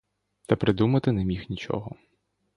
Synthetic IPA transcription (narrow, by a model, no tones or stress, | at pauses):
t̪ɐpɾɪd̪umɐt̪ɪnemʲixnʲit͡ʃɔ̰ɦɔ